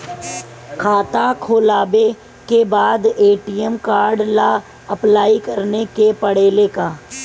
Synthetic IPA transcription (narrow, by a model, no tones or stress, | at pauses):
kʰaːt̪akʰoːlaːbe | kebaːd̪eːʈiːəmkaːɾɖla | ɐplaːikəɾnekepəɽeːlekaː